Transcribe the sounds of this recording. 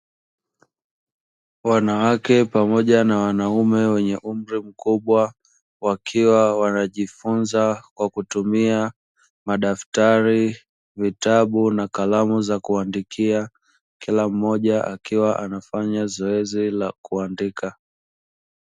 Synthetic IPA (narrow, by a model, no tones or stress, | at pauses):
wanawakɛpamɔʄanawanaumɛwɛɲɛʔum̩ɾim̩kuɓwa | wakʰiwawanaʄifunzakwakutumia | maɗaftaɾi | vitaɓunakalamuzakuandikʰia | kilam̩ːɔʄaʔakiwaʔanafaɲazɔɛzilakuandika